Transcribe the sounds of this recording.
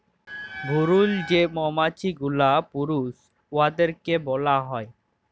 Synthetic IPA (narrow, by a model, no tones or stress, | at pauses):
bʱuɾuld͡ʑemɔmat͡ɕiɡulapuɾus | oad̪eɾkebɔlaɦɔe